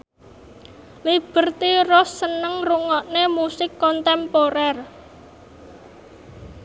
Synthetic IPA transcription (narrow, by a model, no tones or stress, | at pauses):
lib̥ə̤rt̪irɔsːənəŋruŋɔʔnemusɪkːɔnt̪ɛmpoɾɛr